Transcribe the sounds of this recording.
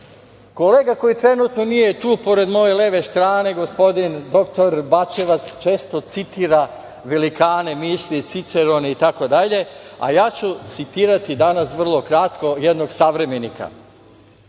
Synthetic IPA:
ko̞le̞ːɡako̞jit̪ɾe̞nut̪nonije̞t̪uːpo̞ɾe̞d̪mo̞je̞leʋe̞st̪ɾaːne̞ɡo̞spo̞d̪ind̪o̞kt̪o̞ɾbat͡ʃe̞ʋat̪st͡ʃe̞ːst̪o̞t̪sit̪iːɾa | ʋe̞likaːne̞miːslit̪sit̪se̞ɾoneit̪ako̞d̪aʎe̞a̰jaːt͡ɕut̪sit̪iːɾat̪id̪anasʋr̩lˠo̞kɾat̪ko̞jed̪no̞ɡsaʋɾe̞me̞nika̰

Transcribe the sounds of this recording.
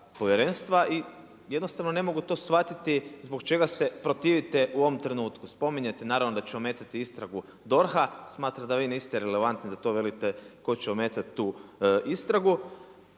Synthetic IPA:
po̞ʋjeɾenst̪ʋaʔi | je̞d̪nost̪aʋno̞ne̞mo̞ɡut̪o̞ːsfʋat̪it̪izbo̞kt͡ʃe̞ɡase̞pɾo̞t̪iːʋit̪eʔuoʋomt̪ɾe̞nuːt̪kuspo̞miɲet̪enaːɾaʋnod̪at͡ɕeome̞t̪at̪iist̪ɾaɡu | d̪o̞ɾxasmaːt̪ɾamd̪aʋiːniːst̪eɾele̞ʋant̪nid̪at̪o̞ːʋelit̪eko̞t͡ɕeomeːt̪at̪t̪ːuːist̪ɾaɡu

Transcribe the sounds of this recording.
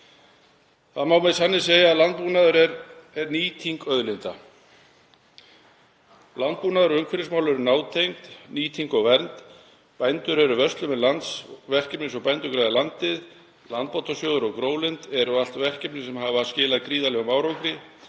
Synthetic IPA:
θaðmawmɛðsanːɪs̬eːjaalant̪̚puːnaðʏɾɛɾɛɾniːt̪ʰiŋkœðlɪnt̪a | lant̪̚puːnaðʏɾʏŋkʰfɪɾɪsmaːwlɛɾʏnaːwt̪ʰejŋt̪niːt̪ʰiŋkɔɣvɛɾnt̪ | pajnt̪ʏɾɛɾʏvœst̪lʏmɛðlant̪svɛr̥cɛpnɪsɔɣpajnt̪ʏkɾajðɪlant̪ɪð | lant̪pawt̪asjoːwðʏɾɔɣkɾoːwlɪnt̪ɛɾʏal̥t̪vɛr̥cɛpnɪsɛmɦaːvascɪːlaðkɾiːðalɛɣamaːwɾowkɾɪ

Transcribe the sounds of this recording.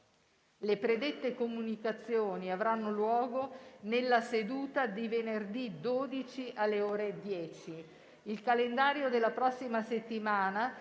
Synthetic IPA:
lepɾed̪et̪ːekomunikat̪sːjoːniavɾanːolwɔːɡonelːased̪uːt̪ad̪ivenerd̪id̪oːd̪it͡ʃiʔalːeoːɾed̪jɛːt͡ʃi | ilkalend̪aːɾjod̪elːapɾɔsːimaset̪ːimaːna

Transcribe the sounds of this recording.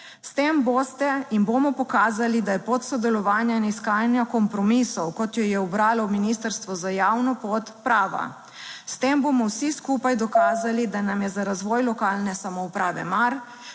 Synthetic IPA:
st̪embost̪ɛinbomɔpɔkaːzalid̪ajɛpot̪sɔd̪ɛlɔʋaːnjainiskaːnjakɔmpɾɔmisɔwkɔt̪jɔjɛɔbɾaːlɔminist̪əɾst̪ʋɔzajaːwnɔpot̪pɾaːʋa̰ | st̪eːmbomɔwsiskuːpajd̪ɔkaːzalid̪anamjɛzaɾazʋɔːjlɔkaːlnɛsamɔupɾaːʋɛ̰maɾ

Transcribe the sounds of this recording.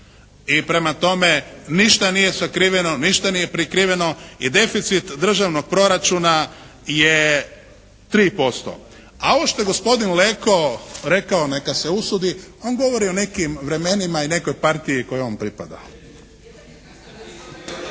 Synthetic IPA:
ipɾe̞mat̪o̞me̞niʃt̪anije̞sakɾiʋe̞no̞niʃt̪anije̞pɾikɾiʋe̞no̞id̪e̞fit̪sit̪d̪r̩ʒaʋno̞ɡ̚pɾo̞ɾat͡ʃuna | je | t̪ɾiːpo̞st̪o̞̰ | aoʋoʃt̪o̞je̞ɡo̞spo̞d̪inle̞ko̞ɾe̞kaone̞kase̞usud̪io̞ːnɡo̞ʋo̞ɾio̞ne̞kimʋɾe̞menimaine̞ko̞jpaɾt̪ijikojeonpɾipad̪a̰

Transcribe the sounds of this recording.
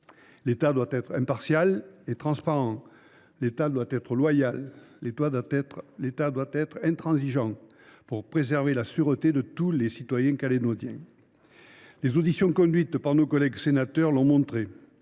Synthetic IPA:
let̪ad̪wat̪ɛt̪χɛ̃mpaʁsjalet̪χɑ̃spaʁɑ̃ | let̪ad̪wat̪ɛt̪χəlwajalːet̪waɛlet̪ad̪wat̪ɛt̪χɛ̃t̪χɑ̃ziʒɑ̃ | puʁpχezɛʁvelasyʁət̪ed̪ət̪ulesit̪wajɛ̃kalenod̪jɛ̃ | lezod̪isjɔ̃kɔ̃d̪ɥit̪paʁnokɔlɛɡsenat̪œʁlɔ̃mɔ̃t̪χe

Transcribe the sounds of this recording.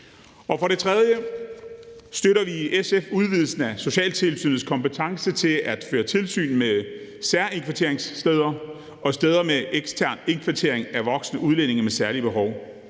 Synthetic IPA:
ɒ̽fɒ̽ɾe̝t͡sʰʁɛð̞ˠjə | sd̥øɾɐʋiʔesefuð̞ˠʋið̞ˠl̩sn̩æso̝ɕɛ̰ːlt͡sʰe̝lsy̰ːnð̩ˠskʰɒ̽mpət͡sʰɑ̈ŋsət͡sʰe̝læd̥føːɐt͡sʰe̝lsy̰ːnme | sæɐe̝ŋkʰʋæɐt͡sʰe̝̰ɐ̰eŋsːd̥eð̞ˠɐ | ɒ̽sd̥eːð̞ˠɐmeʔeɡ̥st͡sʰæɐ̰ne̝nkʰʋæɐt͡sʰe̝ɐ̰e̝ŋæʋɒ̽ɡ̥snəʔuðˠlen̰e̝ŋɐmesæɐliəb̥e̝ɦɒʊ

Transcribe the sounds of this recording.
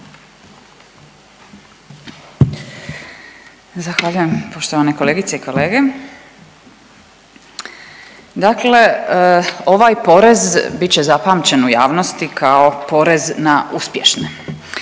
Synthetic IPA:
zaxʋaʎuje̞mpo̞ʃt̪oʋaneko̞leːɡit̪seiko̞leːɡe̞ | d̪akle̞ | o̞ʋajpo̞ɾe̞zbit͡ɕe̞zapaːmt͡ɕe̞nuja̰ːʋno̞st̪ikʰao̞po̞ɾe̞znaʔuspje̞ʃne

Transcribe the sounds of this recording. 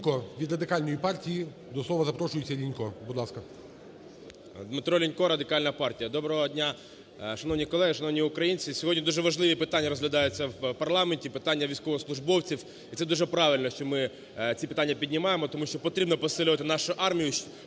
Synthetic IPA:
kɔʋʲid̪rɐd̪ɪkɑlʲnɔjipɑrtʲiji | d̪ɔsˠɔʋɐzɐpɾɔʃʊjɪt͡sʲːɐlʲinʲkɔbʊd̪lˠɑskɐ | d̪mɪt̪ɾɔlʲinʲkɔɾɐd̪ɪkɑlʲnɐpɑrtʲijɐd̪ɔbɾɔɦɔdʲnʲa | ʃɐnɔwnʲikɔlˠɛɦɪʃɐnɔwnʲijʊkɾɐjinʲt͡sʲisʲɔɦɔdʲnʲid̪uʒɛʋɐʒlˠɪʋʲipɪt̪anʲːɐɾɔzɦlʲɐd̪ɑjʊt͡sʲːɐwpɐrlˠɑmenʲtʲipɪt̪anʲːɐʋʲijsʲkɔʋɔslˠʊʒbɔwt͡sʲiw | it̪sɛd̪uʒɛpɾɑʋʲɪlʲnɔʃt͡ʃɔmɪ | t͡sʲipe̥t̪anʲːɐpʲidʲnʲɪmɑjemɔt̪ɔmuʃt͡ʃɔpɔt̪ɾʲibnɔpɔsɪlʲʊʋɐt̪ɪnɑʃʊʔɑrmʲijʊ

